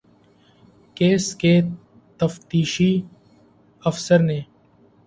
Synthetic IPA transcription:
keːskeː | t̪əft̪iːʃiː | əfsəɾnẽː

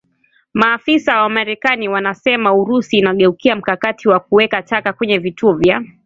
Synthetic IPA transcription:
maːfisawamaɾɛkaniwanasɛmauɾusiːnaɠɛukiam̩kakatʰiwak̚uwɛkatakakwɛɲɛvituɔvja

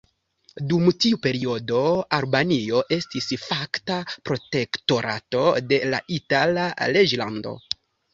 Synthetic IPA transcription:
dumtiupe̞ɾio̞do̞aɾbanio̞ʔe̞stisfaktapɾo̞te̞kto̞ɾa̰to̞de̞la̰ʔitalaled͡ʒlando̞̰

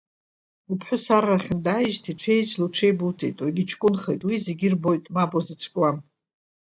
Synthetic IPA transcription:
upʰħʷᶣʊsaraχʲɪndajiʒtʰiʈ͡ʂʷʰejt͡ʃʼluʈ͡ʂʷʰejbutʰejtʼwaɡʲit͡ʃʰʼkʼʊnχejtʼwizeɡʲɪrbo̞jtʼmabʼozat͡sʷʰkʼwam

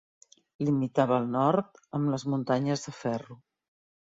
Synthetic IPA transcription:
limit̪aβəːlˠnɔɾt̪əmləzmunt̪aɲəzðəfɛru

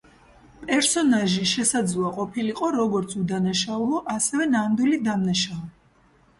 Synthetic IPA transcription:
pʼɛɾsɔnaʒiʃɛsad̪zlˠuaqʼɔpʰiliqʼɔɾɔɡɔɾt̪sʰud̪anaʃaulɔʔasɛvɛnand̪wilid̪amnaʃaɔ

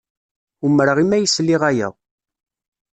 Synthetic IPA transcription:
umɾəʁimæjəslːiʁæjæ̰

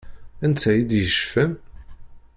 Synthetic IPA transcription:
ænt͡s̪ːæjid̪jəʃfæn

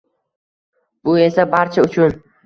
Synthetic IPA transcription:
b̥ʊe̞sabaɾt͡ʃʰaʊt͡ʃʰʊn

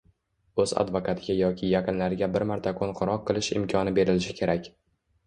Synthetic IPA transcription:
ɵza̰d̪vokʰat̪ʰɪɡʲajɒkʲʰɪjɑqʰɨnlaɾɪɡʲabɪɾmaɾt̪ʰakʰonqʰʊɾɒqːɨlˠɪʃɪ̰mkʲʰɒnɪbe̞ɾɪlɪʃɪ̥kʲʰe̞ɾakʲ

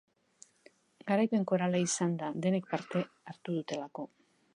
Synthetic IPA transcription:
ɡaɾajpe̞ŋko̞ɾalaisand̪aðe̞ne̞k̚paɾt̪e̞ | aɾt̪uð̞ut̪e̞lako̞

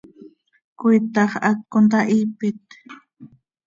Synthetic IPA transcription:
kʊjt̪ɑχat̚kʊnt̪aʔiːpɪt̪

